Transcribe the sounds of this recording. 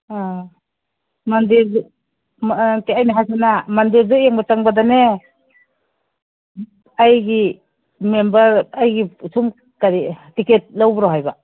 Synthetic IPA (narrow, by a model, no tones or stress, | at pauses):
a | mandiɾ | teajnaɦasanamandiɾdueŋbataŋbadane | ajɡi | membaɾajɡisum | kaɾitiket̚lawbɾoɦajba